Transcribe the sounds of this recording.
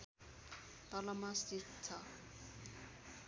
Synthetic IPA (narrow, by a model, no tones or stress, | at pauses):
t̪ʌlʌmast̪it̪t͡sʰʌ